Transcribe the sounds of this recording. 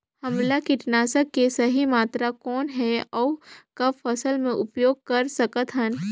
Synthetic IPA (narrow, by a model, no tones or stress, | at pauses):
hɐ̃mlakɪʈnaːsəkːesɐɦimaːt̪ɾakɔːnɦɛɔːkɐbfʰɐsəlmẽʔʊpjoːɡ̚kɐɾsɐkət̪ɦən